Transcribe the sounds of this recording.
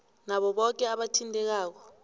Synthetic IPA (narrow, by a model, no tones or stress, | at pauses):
naɓɔɓɔk̬ɛaɓatʰintʼɛk̬aːk̬ɔ